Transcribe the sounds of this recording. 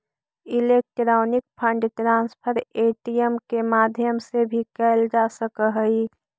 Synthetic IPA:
ɪleːk̚ʈɾaːnɪk̚pʰə̃ɳɖʈɾãːnspʰəɾeːʈijəmkemaːd̪ʱjəmsebʱikɛld͡ʒasəkəɦəi

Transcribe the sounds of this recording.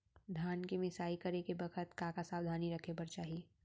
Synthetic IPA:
d̪ʱjaːnkemɪsaːikɐɾekebɐkʰət̪kãːkasaːʋd̪ʱaːniɾɐkʰepɐɾt͡ʃaːɦie

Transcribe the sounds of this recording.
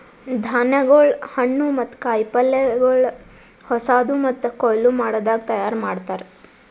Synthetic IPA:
d̪ʱaːnɐɡɐɭhɐɳːumɐt̪ːkaːjpɐlːeɡɐɭ | hɔsaːd̪umɐt̪ːkɔjlumaːɽoːd̪aːɡ̚t̪ɐjaːɾmaːɽt̪aːɾ

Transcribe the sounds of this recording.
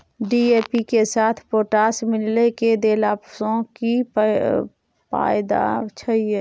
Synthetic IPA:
ɖiːeːpikesaːt̪ʰpoːʈaːsmɪlleked̪eːlaːpsõki | pa̰ːɪd̪a̰t͡ʃʰəieː

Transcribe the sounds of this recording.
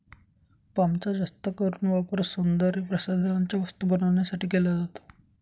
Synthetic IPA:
pamt͡sad͡ʑəst̪əkəɾuːɳʋapəɾsund̪əɾipɾəsad̪ʱənaɲt͡ɕjaʋəst̪ubənaʋɳjasaʈiːkelad͡zat̪o̥

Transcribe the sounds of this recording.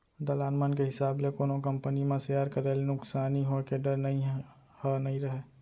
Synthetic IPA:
d̪əlaːnmənkeɦɪsaːblekoːnokə̃mpənimẽsjaːɾkəɾelnʊksaːniɦokeɖəɾnɐɦĩ | hənɐɦĩɾəɦeː

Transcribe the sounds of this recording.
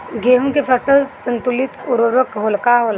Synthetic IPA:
ɡeːɦõkepʰəsəlsə̃nt̪ʊlɪt̪ʊɾoɾəkɦoːlkaɦol

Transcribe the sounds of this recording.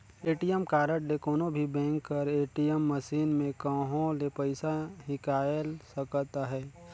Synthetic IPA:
eːʈijəmkaːɾəʈlekoːnobʱibɛ̃ːŋkːɐɾeːʈijəmːəʃiːnmẽkəɦõlepəɪsaɦɪkaːjlsəkt̪aɦɛː

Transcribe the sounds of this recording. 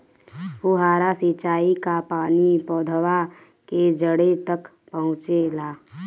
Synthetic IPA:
puɦaːɾasit͡ʃaːikapaːnipɔːd̪ʱəwa | ked͡ʒəɽet̪ək | pəɦʊ̃t͡ʃelaː

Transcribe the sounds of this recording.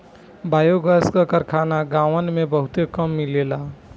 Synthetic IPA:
bajoɡəskəkəɾkʰanaɡaʋənmebəɦut̪ekəmːilela

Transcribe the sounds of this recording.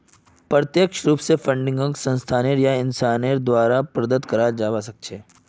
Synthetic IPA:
pɾət̪jəkʃɾuːpsefʰə̃ɳɖɪ̃ŋɡə̃ŋksə̃nst̪ʰaːneɾjaɪnsaːneɾd̪waːɾapɾɐd̪ət̪kɐɾad͡ʒaːʋas̬ɐk̚t͡ʃʰeː

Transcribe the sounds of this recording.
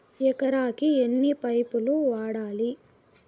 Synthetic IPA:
ɛkɐɾaːkienːipɐjpuluʋaːɽaːli

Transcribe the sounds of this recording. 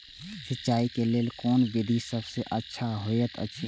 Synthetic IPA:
sɪtːt͡ʃaːikeleːlkɔːnʋɪd̪ʱisəbseʔətːʃʰaɦojət̪ʰə̰tːʃʰi

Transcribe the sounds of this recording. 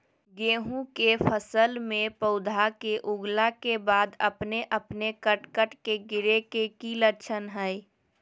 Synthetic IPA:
ɡeːɦũkefʰəsəlmẽpəʊd̪ʱakeʔʊɡlakebaːd̪əpneʔəpnekəʈkəʈkeɡɪɾekekiləɾt͡ʃʰənɦɛi

